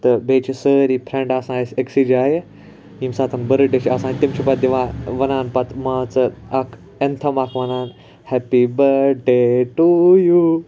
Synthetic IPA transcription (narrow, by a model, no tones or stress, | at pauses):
t̪ɐbeːt͡ʃʰisəɾipʰɾẽɳɖaːsãːeseksid͡ʒaːje | imsaːt̪ʰɐnbɐɾɨɖeʃiaːsãːnt̪imt͡ʃʰupɐt̪̚d̪iʋãːʋɐnaːnpɐt̪ʰmaːt͡sɐakʰ | ent̪ʰɐmaːkʰʋɐnaːn | hɛpibɐɖeʈuju